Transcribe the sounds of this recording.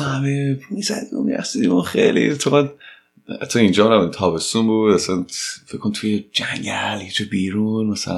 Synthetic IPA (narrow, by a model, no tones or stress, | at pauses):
hamemizæ̰d̪imṵmiɾæ̰sid̪imunχejlḭt̪ʰoɣæd | ha̰t̪ʰːɒind͡ʒɒːminæbænd̪it̪ʰɒːbe̞st̪unbud̪asnfekʰːont̪ʰujed͡ʒæŋɟæljed͡ʒobiːɾunmasæla